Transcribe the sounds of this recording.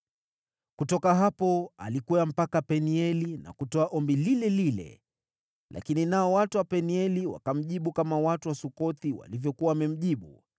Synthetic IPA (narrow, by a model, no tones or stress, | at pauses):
kutɔkaɦapɔalikuam̩pakapɛniɛlina̰kutɔaʔɔmbililɛlilɛ̰ | lʔa̰kininaɔwatuwapɛniɛliwa̰kam̩ʄiɓukamawatuwasukɔt̪iwa̰livjɔkuwawamɛm̩ʄiɓu